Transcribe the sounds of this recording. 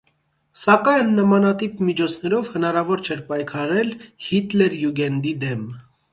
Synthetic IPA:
sɑkɑjnːəmɑnɑt̪ipmit͡ʃʰɔt͡sʰnɛɾɔvhənɑɾɑvɔɾt͡ʃʰɛɾpɑjkʰɑɾɛlhit̪lɛɾjuɡɛnd̪id̪ɛm

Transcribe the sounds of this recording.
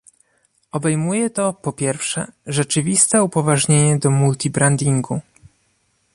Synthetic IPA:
ɔbɛjmujɛt̪ɔpɔpʲjɛɾfʂɛ̰ʐɛt͡ʂɘvʲist̪ɛupɔvaʐɲeɲɛd̪ɔmult̪ʲibɾand̪ʲiŋɡu

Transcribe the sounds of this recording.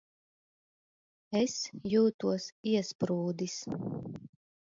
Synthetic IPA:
ɛsjuːt̪uɔsiɛspɾuːd̪is

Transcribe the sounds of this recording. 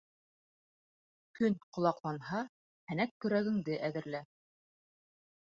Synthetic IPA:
kɵnqŏlˠɑqlˠɑnɦɑ | hænækːkːɵ̆ɾæɡɘ̆ŋd̪ɘʔæðɘ̆ɾlæ

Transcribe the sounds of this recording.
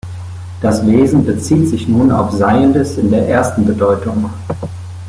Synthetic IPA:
d̥asv̥eːzn̩bət͡siːtz̥ɪçnuːna̰ʊfz̥aɪəndəsɪndeːɐʔeːɐstn̩bədɔʏtʊŋ

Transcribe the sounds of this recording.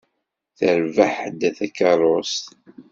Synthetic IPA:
θəɾvəħd̪ːæθækːɑɾˤost̪

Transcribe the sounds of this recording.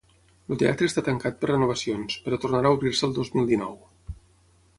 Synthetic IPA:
lut̪ea̰t̪ɾəːst̪at̪əŋkat̪̚pərrənuβ̞əsionspəɾɔt̪urnaɾaəuβɾirsəlˠd̪ozmilˠd̪inɔ̰w

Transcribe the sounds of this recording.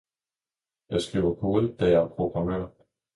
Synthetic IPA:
jɑ̈ɪsɡ̥ʁiʊ̰ɐkʰo̝ːð̩ˠd̥æjɑæɐpʰʁo̝ɡ̥ʁɑ̈mø̰ɐ̰

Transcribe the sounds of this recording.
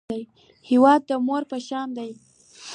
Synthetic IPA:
aj | hɪwɑd̪̚ːəmoɾpəʃɑmd̪aj

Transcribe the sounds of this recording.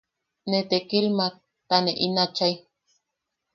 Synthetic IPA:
net̪ekilma | t̪aneʔinat͡ʃaj

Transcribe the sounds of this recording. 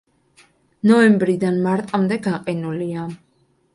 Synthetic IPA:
nɔɛmbɾid̪anmaɾt̪ʼamd̪ɛɡaqʼɛnulia

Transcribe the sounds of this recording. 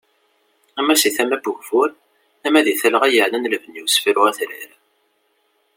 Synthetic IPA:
æmæsiθæmæbuʝfʊɾ | æmæðiθæləʁæjəʕlænlvənjusfiɾʊæθɾḭɾæ

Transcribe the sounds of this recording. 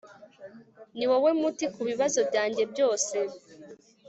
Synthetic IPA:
niwowe̞mutikuβiβazo̞bɟaːɲɟe̞bjo̞ːse̞

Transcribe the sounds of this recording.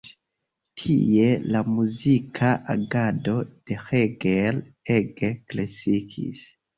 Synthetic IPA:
tʰḭe̞lamuzikʰaʔaɡado̞d̥e̞xeɡel | eɡeklasikʰḭs

